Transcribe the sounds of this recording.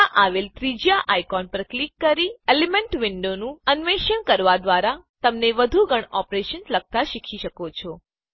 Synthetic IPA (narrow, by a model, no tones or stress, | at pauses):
aʔaʋelt̪ɾid͡ʒjaʔajkɔnpəɾklikːəɾielemeɳʈʋɪɳɖonũənʋeʃəɳkəɾʋad̪ʋaɾat̪əmneʋəd̪ʱuɡʱəɳɔpɾeʃənsləɡ̚t̪aʃikʰiʃəkot͡ʃʰɔ